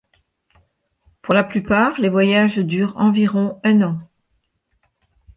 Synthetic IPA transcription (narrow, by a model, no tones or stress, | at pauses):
puʁlaplypaʁlevwajaʒd̪yːʁɑ̃viʁɔ̃ɛ̃nɑ̃